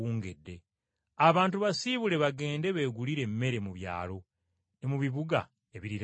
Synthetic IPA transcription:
uːŋɡedːe̞ | aβaːntuβasiβule̞βaɡe̞ːnde̞βe̞ːɡuliɾe̞mːe̞ɾe̞muβja̰ːlo̞ | nemuβiβuɡa̰ | e̞βiɾiɾ

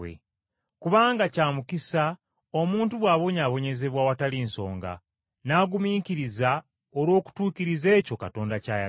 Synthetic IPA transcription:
ḛ | kuβaːŋɡacaːmukisa | o̞muːntuβwaːβo̞ɲaːβo̞ɲe̞ze̞βwawatalinso̞̰ːŋɡa̰ | naːɡumiːkiɾiza | olwo̞ːku̥tuːkiɾize̞ːco̞kato̞ːndacaːja

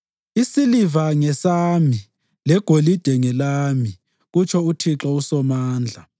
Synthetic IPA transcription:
isilivaŋɛsami | lɛɡ̥ʱolid̥ʱɛŋɛlaːmi | ɣut͡ʃʰɔutʰiǁausɔmaːnd͡ɮʱa

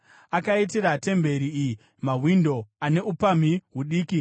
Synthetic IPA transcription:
akait̬iɾate̞mbe̞ɾiii | maɦwindo̞ane̞upam̤iɦwuɗiːki

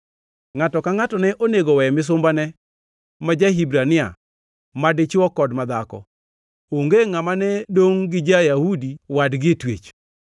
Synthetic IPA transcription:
ŋatɔkaŋatɔnɛʔoneɡowɛmɪs̬ʊmbanɛ | mad͡ʒaɦibɾanɪa̰ | madɪt͡ʃwɔkɔdmad̪akɔ̰ | oŋɡeŋamanɛdoŋɡɪd͡ʒajahudiwadɡɪtwḛt͡ʃ

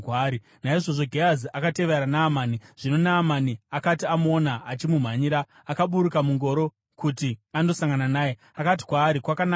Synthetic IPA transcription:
kaːɾi | naiʐo̞ʐo̞ɡʱeaziʔakate̞ʋeɾanaːmaːniʐ̥ino̞naːmaniakatiamonaːt͡ʃimum̤aɲiɾaː | kaɓuɾukamuŋɡo̞ɾo̞ | kutiando̞saŋɡananaːje | akat̬i̥kwaːɾikwakana

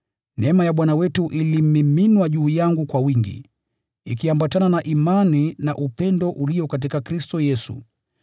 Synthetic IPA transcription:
nɛmajaɓwanawɛtuʔilimmiminwaʄuːjaŋɡukwawiŋɡḭ | ikiambatananaʔimaninaʔupɛndɔʔuliɔkatikakɾistɔjɛsṵ

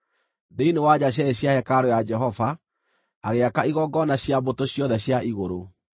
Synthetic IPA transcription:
deinewad͡ʑaɕ̬jɛɾeɕjahɛkaɾojad͡ʒɛɦɔva | aɣeakaiɣɔɡɔnaɕjabotoɕjɔðɛɕjaʔiɣoɾo

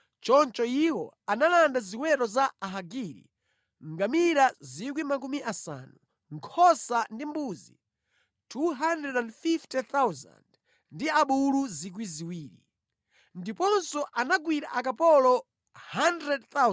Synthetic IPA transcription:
t͡ʃɔnt͡ʃɔiwɔ̰ | analandaziwɛɾɔzaaɦaɡiɾḭ | ŋɡamiɾazik̬wimakumiʔasa̰nu | ŋkʰɔsandimbuzḭ | tʰuɦandrɛdandfiftɛθawza̰nd | ndiaɓuluzik̬wiziwiːɾḭ | ndipɔnsɔʔanaɡwiɾa̰ʔakapɔlɔ | handɾɛdθa

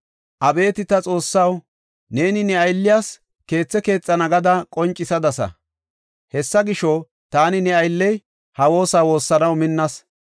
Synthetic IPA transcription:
ʔɐbe̞ːt̪ɪt̪ɐt͡sʼo̞ːsːɐw | ne̞ːnɪnɛɐjlːɪjaːs | ke̞ːt͡sːɛke̞ːt͡sʼːɐnɐɡɐd̪ɐkʼɔnt͡ʃʼːɪsɐd̪ɐsɐ̰ | hɛsːɐɡɪʃɔ | t̪aːnɪnɛɐjlːɛj | hɐwo̞ːsaːwo̞ːsːɐnɐwmɪnːɐs

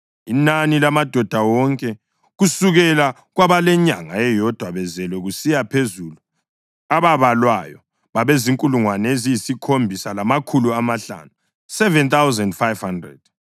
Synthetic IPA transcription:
inanilamad̥ʱɔd̥ʱawɔŋkʼɛ | ɣusuɣɛla | ɣwaβalɛɲaŋa̰ɛjɔd̥ʱwaβɛzɛlwɛɣusijapʰezulu | aβaβalwajɔ | βaβeziŋkʼuluŋwanɛezijisikʰombʱisalamakʰuluamaɬa̰nu | sɛvɛnt̪awzɛndfajv̥handrɛ̰d̥̚

